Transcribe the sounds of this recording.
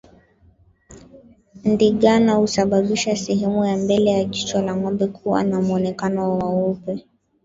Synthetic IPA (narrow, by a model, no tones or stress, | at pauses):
ndiɠanahusaɓaɓiʃasɛɦɛmujambɛlɛjaʄit͡ʃɔlaŋɔmbɛkʰuwa̰namuɔnɛkanɔwawaɔpɛ